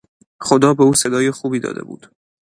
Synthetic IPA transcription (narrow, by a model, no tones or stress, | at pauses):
xod̪ɒːbeuːse̞d̪ɒːjexuːbiːd̪ɒ̰ːd̪ḛbṵːd̪̥